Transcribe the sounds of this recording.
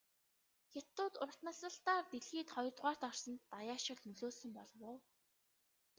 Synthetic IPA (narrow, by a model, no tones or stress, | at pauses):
xʲat̪ːʊːt̪ʊr̆ʰt̪nə̆ɬsə̆ɬt̪aːrt̪eɮxiːt̪χɔjɞ̆rt̪ʁaːr̥t̪ɔr̥sɞ̆nt̪ːajaːʃɪ̆ɮnɵɮoːsɵ̆mpɔɮwʊː